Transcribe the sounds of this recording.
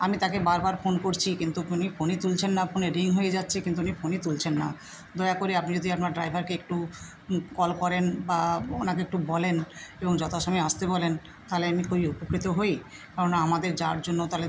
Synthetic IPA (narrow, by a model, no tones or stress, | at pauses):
amit̪akebaɾbaɾfonkoɾt͡ɕʰikint̪uunifonit̪ult͡ɕʰenːafʰoneɾiŋɦojed͡ʑatːɕʰekint̪uonifonit̪ult͡ɕʰenːa̰ | d̪ɔeakoɾiapnid͡ʑod̪ʱiapnaɾɖɾajbʱaɾkeek̚ʈu | kɔlkɔɾenbaonakeek̚ʈubɔleneboŋd͡ʑɔt̪ʰaʃɔmajast̪ebɔlen | t̪aɦleamikʰubiupokɾit̪oɦoj | kaɾonaamad̪eɾd͡ʑaɾd͡ʑonːot̪ale